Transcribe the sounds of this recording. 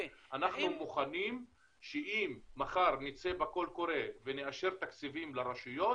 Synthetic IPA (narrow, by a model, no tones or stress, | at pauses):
anaχnumuχanim | ʃeʔimːaχaʁnit͡sebako̞lko̞ɾe̞veneaʃe̞ʁt̪akt͡sivimlaʁaʃujo̞